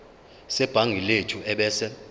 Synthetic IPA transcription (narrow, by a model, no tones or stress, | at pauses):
sɛb̥ʱaŋɡʱiletʰuɛɓɛːsɛ